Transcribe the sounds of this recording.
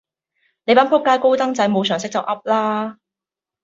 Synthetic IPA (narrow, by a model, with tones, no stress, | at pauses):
le˨˧jpaː˨˥npʰʊ˥kːaː˧˥jko˥wt̪ɐ˥ŋt͡sɐ˨˥jmo˨˧wsœː˨˩ŋs̬ɪ˥k̚t͡sɐ˨wʔɐ˥p̚laː˥